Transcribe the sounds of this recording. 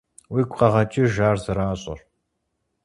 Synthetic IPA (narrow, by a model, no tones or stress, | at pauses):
wiːɡʷʼqɐʁɐt͡ʃʼɪʒaːrzɨɾaːɕʼɪ̰r